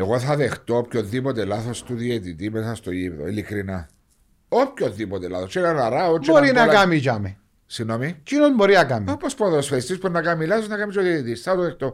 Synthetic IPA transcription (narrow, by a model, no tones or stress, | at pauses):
eɣoθaðext̪oopkjot̪ːipot̪elaθost̪uðjet̪it̪ipeθast̪ojipðo̰ilikɾina | op̚koðipot̪ela̰θoseɾaraɾaot͡ʃoɾinalkamit͡ʃame | sinomit͡ʃinot̪moɾiakamipospoðosfest̪isponakamilaθosnakamit͡ʃoðiet̪it̪isθat̪uðext̪o